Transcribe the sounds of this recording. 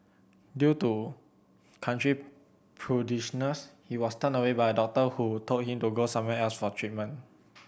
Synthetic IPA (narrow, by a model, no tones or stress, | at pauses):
djutu | kʰãntɹi | pʰɹodiʃɔnəshiwɔstə̃nəwebajədɔk̚təhutʰot̚hĩmtuɡosãmwɛɛlsfɔtʰɹit̚mə̃n